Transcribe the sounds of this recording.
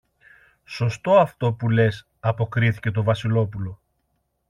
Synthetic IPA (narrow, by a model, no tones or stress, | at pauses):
so̞st̪o̞ɐft̪o̞pule̞s | ɐpo̞kɾiθice̞t̪̬o̞vɐsilo̞pulo̞